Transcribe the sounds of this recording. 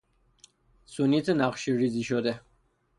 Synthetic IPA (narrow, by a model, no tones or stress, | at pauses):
sunit̪ʰnaχʃiɾiziʃɔd̪ɛ